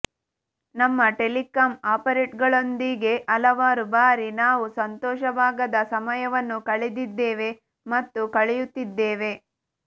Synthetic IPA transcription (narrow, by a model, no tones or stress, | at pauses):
nɐmːɐʈe̞likaːmaːpɐɾeːʈɡɐɭo̞nd̪iɡe̞ʔɐlɐʋaːɾubaːɾinaːʋusɐnt̪ɔːʃɐbʱaːɡɐd̪ɐsɐmɐjɐʋɐnːukɐɭed̪id̪ːeːʋe̞ | mɐt̪ːukɐɭɛjut̪ːid̪ːeːʋe̞